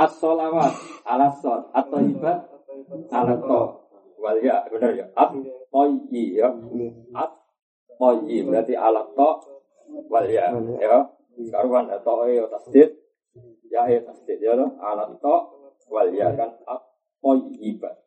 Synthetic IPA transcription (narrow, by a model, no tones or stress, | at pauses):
ʔat̪sɔlawat̪̚alasɔnat̪̚ːɔiba | alat̪ɔʔ | waljabənərjɔʔat̪̚ːɔjijɔʔat̪̚ | pɔjibɾat̪iʔa̰lɔt̪ːɔʔ | waljajɔ | skaɾufandat̪ɔʔejɔt̪ast̪ɪt̪̚ | jaɦet̪ast̪ɪt̪̚jɔt̪ɔha̰lɔt̪ːɔʔ | waljakanat̪̚ | pɔjib̥a